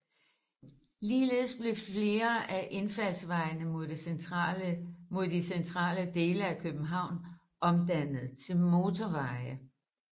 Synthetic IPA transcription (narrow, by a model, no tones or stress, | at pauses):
liːle̝ð̩ˠsb̥le̝fle̝ːɐʔæʔe̝nfæl̰sʋɑ̈ɪnə | mo̝ð̰ˠd̥isent͡sʰʁɑ̰̈ːləd̥e̝ːləækʰøb̥n̩ɦɑ̈ʊ̰n | ʔɒ̽md̥æn̰ð̩ˠt͡sʰe̝lmo̝t͡sʰɒʋɑ̈ɪə